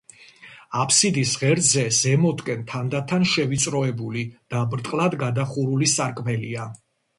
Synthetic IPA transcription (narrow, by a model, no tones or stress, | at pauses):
apʰsid̪isʁɛɾd̪zɛz̥ɛmɔd̪kʼɛnt̪ʰand̪at̪ʰanʃɛvit̪sʼɾɔɛbulid̪̥abɾt̪ʼqʼlˠad̪ɡad̪aχuɾulisaɾkʼmɛlia